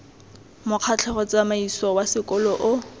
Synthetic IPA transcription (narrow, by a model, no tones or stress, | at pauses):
mʊq͡χʰat͡ɬʰɛχɔt͡samaisɔwasɪkʼɔlɔʔʊ